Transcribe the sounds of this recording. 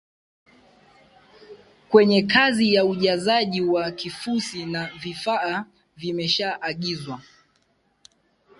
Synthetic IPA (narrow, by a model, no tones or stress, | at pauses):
kwɛɲɛkazijauʄazaʄiwakifusinavifaː | vimɛʃaʔːɠizwa